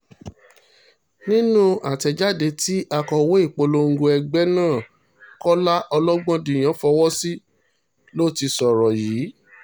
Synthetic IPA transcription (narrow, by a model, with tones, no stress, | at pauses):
nĩ˦nũ˦a˨tɛ˧d͡ʒa˦de˧ti˦ʔa˧kɔ˧wo˦i˦˨k͡po˧lo˧ŋ̩˦ɡo˧ɛ˧ɡ͡bɛ˦nãː˦˨ | kɔ˦la˦ʔɔ˧lɔ˦ɡ͡bɔ̃˦dĩ˨j̃ã˨˦fɔ˧wɔ˦si˦ | lo˦˨ti˧sɔ˨ɾɔ˨jiː˨˦